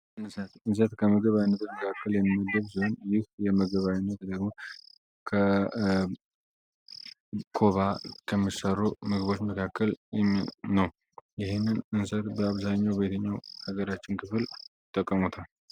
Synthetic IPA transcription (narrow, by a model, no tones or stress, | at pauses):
ʔɨnsət̪ɨns̬ət̪kʰəməɡəβawinːət̪məkʰakʰːəljɛmːiəɡːəβs̬iho̞njɪhjɛməɡəβawinːət̪d̪əɡmo̞ | kʰə | kʰo̞βakʰəmːisərːumɨɡɨβo̞t͡ʃːməkʰakːəl | nəw | jɪhenːɨnɨnsət̪bəaβzaɲːawbe̞t̪ʰəɲːawhaɡəɾat͡ʃːɪnkʰɨfɨlɪt̪ʼːəkʼːəmut̪ʰal